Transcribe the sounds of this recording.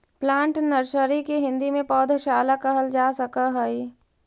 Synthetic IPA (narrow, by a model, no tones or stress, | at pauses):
plãːɳʈnəɾʃəɾikeɦɪ̃nd̪imẽpɔːd̪ʱʃaːlakɐɦəld͡ʒaːsəkaɦəi